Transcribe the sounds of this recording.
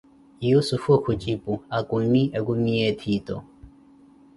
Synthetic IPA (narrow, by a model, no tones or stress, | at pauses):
jusufukʰut͡ʃʼipʼuakunːiʔɛkumiɛt̪ʰit̪ɔ̰